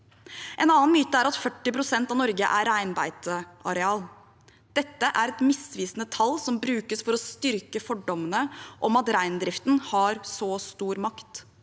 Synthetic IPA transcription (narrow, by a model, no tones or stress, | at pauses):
ʔɛnɑːnmyːt̪əæɾɑt̪fœʈːɪpɾʊsɛnt̪ɑʋnɔɾɡəʔæɾæɪnbæɪt̪əɑɾɛɑːl | d̪̥ɛt̪ːəʔæɾɛt̪mɪsʋiːsnət̪ʰɑlːsɔmbɾʉːkəsfɔɾɔst̪ʏɾkəfɔɖɔmənəʔɔmɑt̪ɾæɪnd̪ɾɪft̪n̩hɑɾsɔst̪uːɾmɑkt̪